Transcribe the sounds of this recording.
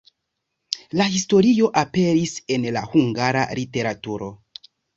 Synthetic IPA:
lahisto̞ɾio̞ʔape̞ɾise̞nlahuŋɡaɾa̰lite̞ɾatuɾo̞

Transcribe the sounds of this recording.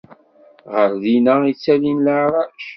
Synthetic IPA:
ʁəɾðinæit͡sːælinləʕɾˤɑʃ

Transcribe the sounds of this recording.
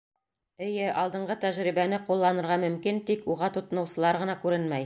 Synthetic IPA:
ɘ̆jɘʔɑlˠd̪ɤ̆ɴɢɤt̪æʒɾibænɘqulˠːɑnɤ̆ɾʁɑmɵ̆mkint̪ikuʁɑt̪ŏt̪ɤ̆nɤ̆wsɤ̆lˠɑɾʁɤ̆nɑkʉɾɘnmæj

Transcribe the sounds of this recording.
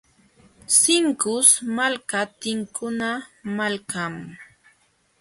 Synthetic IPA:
sɪŋkʊsmalkat̪ɪŋkʊnamalkam

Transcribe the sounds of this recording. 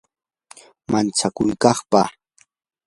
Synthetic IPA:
mant͡sakʊjkɑχpa

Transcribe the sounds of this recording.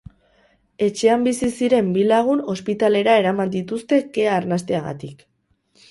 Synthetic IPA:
e̞t͡ʃe̞ambisisiɾe̞mbilaɣ̞uno̞spit̪ale̞ɾae̞ɾamand̪it̪ust̪e̞ke̞aːɾnast̪eaɣa̰t̪ik

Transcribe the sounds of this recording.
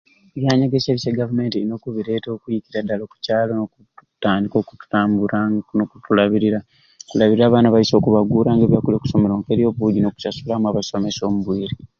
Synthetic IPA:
βjaːɲaɡeseːβiseɡavume̞ːntiino̞ːkuβiɾe̞ːto̞ːkujiciɾadːaloku̥caːloo | taːndiko̞ːku̥tu̥taːmbuɾanokutulaβiɾiɾa | kulaβiɾiɾaːβaːnaβajiso̞ːkuβaɡuːɾaːŋɡeβjakulio̞ːku̥so̞me̞loːŋkeɾjo̞βuɟinoku̥sasulamuaβaso̞me̞so̞ːmuβwiːɾi

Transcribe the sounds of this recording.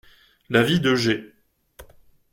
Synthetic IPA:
lavid̪əʒe

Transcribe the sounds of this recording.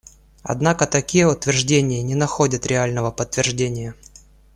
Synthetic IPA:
ɐ̰d̪nakət̪ɐkʲijəʊt̪vʲɪrʐdʲenʲɪjənʲɪnɐxodʲət̪ɾʲɪalʲnəvəpət̪ːvʲɪrʐdʲenʲɪjə

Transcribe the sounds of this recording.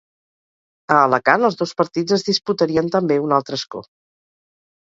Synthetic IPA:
əːləkanəlˠzðospəɾt̪id͡zəzðisput̪əɾiənt̪əmbeunalˠt̪ɾəskɔ̰

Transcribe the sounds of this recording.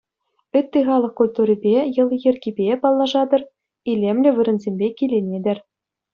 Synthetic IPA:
ɘt̪ʲːɘ̆χɑlˠɤ̆χkulʲt̪uɾʲibʲejɤ̆lˠjɘ̆rʲɡʲibʲepɑlˠːɑʐɑd̪ɤ̆r | ilʲemlʲɘ̆ʋɯ̆ɾɘ̆nzʲemʲbʲekʲilʲenʲed̪ʲɘ̆rʲ

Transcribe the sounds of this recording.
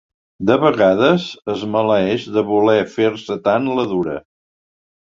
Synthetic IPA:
d̪əβəɣaðəzəzmələɛʒðəβulɛfeɾsət̪anləðuɾə̰

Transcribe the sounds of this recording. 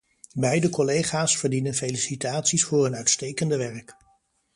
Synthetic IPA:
bɛjdəkɔlejχaːsfəɹdinənfelisitaːtsisfʊːɹənœɥtstejkəndəʋɛɹk

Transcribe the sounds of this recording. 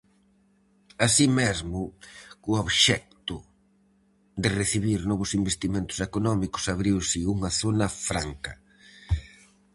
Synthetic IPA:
asimezmʊkʊoβʃɛk̚t̪ʊ | d̪ɪreθiβiɾnɔβʊsimbest̪imẽnt̪ʊ̥sekonɔmikʊ̥saβɾiwsɪuŋɐθonɐfɾaŋkɐ

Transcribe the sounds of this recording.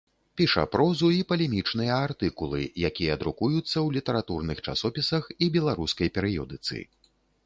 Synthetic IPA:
pʲiʂɐ̰pɾɔzuipɐlʲɛmʲit͡ʂnɨjɐart̪ɨkulˠɨ̰jakʲijɐːd̪ɾukujut̪sːɐwlʲit̪ɐɾat̪urnɨxt͡ʂa̰sɔpʲisɐxibʲɛlˠaɾuskɐjpʲɛɾɨjɔd̪ɨt̪sɨ̰

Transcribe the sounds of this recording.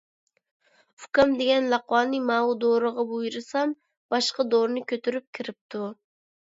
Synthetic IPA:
ukɑmd̪eɡʲɛnlɑqwɑːnɨmɑːud̪oɾɨʁɑbujɾɨsɑm | b̥ɑʃqɑd̪oɾnɨkʲʰøt̪yɾyp̚kʲʰiɾɪp̚t̪ʰu

